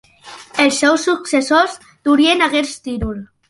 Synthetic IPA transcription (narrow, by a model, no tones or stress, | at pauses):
elˠsːɛwsːuksesoz | d̪̥uɾienaɣeɾst̪iɾul